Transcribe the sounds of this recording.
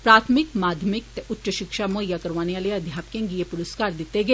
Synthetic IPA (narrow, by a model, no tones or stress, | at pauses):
pɾaːt̪ʰmɪkmaːd̪ʱjəmɪk̚t̪ɛʔʊtːʃəʃɪkʃamojːakɐɾʋaːneʋaːleɐd̪ʱjaːpkẽŋɡijepʊɾəskaːɾd̪ɪt̪ːeɡeː